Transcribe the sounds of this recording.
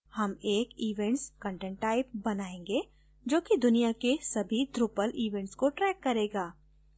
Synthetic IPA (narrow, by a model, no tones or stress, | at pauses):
hɐmeːkiːʋɛ̃ɳʈskə̃ɳʈɛ̃ɳʈːaːɪp̚bɐnaːẽːŋɡeː | d͡ʒoːkid̪ʊnijakesɐbʱid̪ɾupəlʔiːʋɛ̃ɳʈskoʈɾɛːkːɐɾeːɡaː